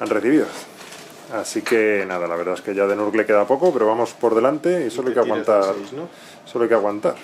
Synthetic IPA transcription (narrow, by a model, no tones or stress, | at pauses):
anreθiβiðo | asike̞naðalaβe̞ɾðaeske̞ʝaðenuɾkle̞ke̞ðapo̞ko̞peɾo̞βamo̞spo̞ɾðe̞lant̪e̞isoloajkeaɣwant̪aɾno | soloajkaɣwant̪aɾ